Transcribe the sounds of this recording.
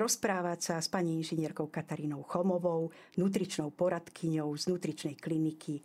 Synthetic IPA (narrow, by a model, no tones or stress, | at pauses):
ɾɔspɾaːʋasaspaɲiinʒiɲɪɛɾkɔʊkat̪aɾiːnɔwxɔmɔʋɔw | nut̪ɾit͡ʃnɔwpɔɾat̪kʰiɲɔʊznut̪ɾit͡ʃnɛjklinikʰi